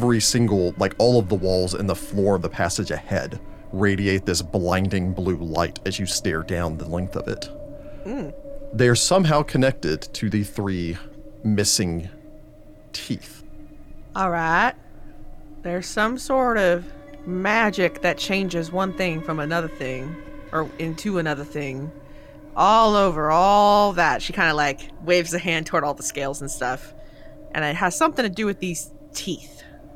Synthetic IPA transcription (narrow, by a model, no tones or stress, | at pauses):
vɹisɪ̃ŋɡl̩ˠlaɪkɔlˠʌvðəwɔlˠzɨ̰̃nðəflɔɹʌvðəpʰæsɨd͡ʒɨhɛ̰d | ɹeɪɾieɪt̪̚ðɪsb̥lãɪ̃ndɪ̃ŋblula̰ɪɾɨzjɨstɛɹdãʊ̃nðəlɛ̃ŋk̚θʌ̰vɨ̰t | m̩ðeɪə˞sʌ̃mɦaʊkʰɨnɛk̚tɪd̚tʰɨðɨθɹi | mɪsɪ̃ŋ | tʰḭθ | ɔlˠɹaɪt̚ | ðə˞z̥sʌ̃msɔɹɾʌvmæd͡ʒɪk̚ðɨt̚t͡ʃʰẽɪ̃nd͡ʒɨzwʌ̃nθɪ̃ŋfɹʌ̃mɨnʌðə˞θɪ̃ŋ | ʔə˞ɪ̃ntʰʉənʌðə˞θɪ̃ŋ | ʔɔlˠoʊvə˞ɔlˠðætʃikʰãɪ̃ndəlaɪkweɪvzɨɦæ̃ndtʰɔɹɾɔlˠðəskeɪlˠzn̩stʌf | ʔɨ̰̃nɪt̚ɦɨz̥sʌ̃mθɪ̃ŋtʰɨdɨwɨðiz̥ | tʰiθ